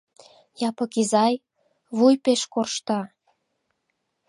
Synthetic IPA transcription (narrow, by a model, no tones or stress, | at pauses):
jɑpɤ̆kizɑj | βujpeʃkorʃt̪ɑ